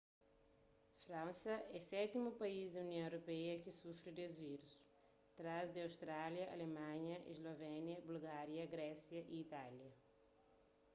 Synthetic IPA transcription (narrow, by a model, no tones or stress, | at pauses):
fɾãnsɐʔɛsɛt̪imupɐizd̪ɐunjõw̃ewɾopɛjɐkɪsufɾɪd̪ezviɾus | t̪ɾazd̪ɪawst̪ɾaljɐʔɐ̰lemãɲɐʔḛzlovɛnjɐbulɡaɾjɐɡɾɛsjɐʔiːt̪aljɐ